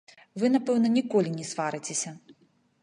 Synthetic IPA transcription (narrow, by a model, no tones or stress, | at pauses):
vɨnapɛwnɐnʲikɔlʲinʲɛsvaɾɨt͡sʲesʲɐ